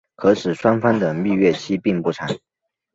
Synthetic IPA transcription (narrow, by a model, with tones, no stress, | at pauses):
kʰɤ˧˥ʂɻ̩˨˩ʂwa˥nfɑ˥ŋd̪ə˨mi˥˧ɥɛ˥˩t͡ɕʰi˥pi˥˧ŋpu˥˩ʈ͡ʂʰa˨˩˦ŋ